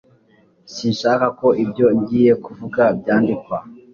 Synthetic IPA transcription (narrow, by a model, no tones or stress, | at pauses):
sinʃakako̞ʔibɟo̞ɲɟiːje̞kuvukabɟaːndikwa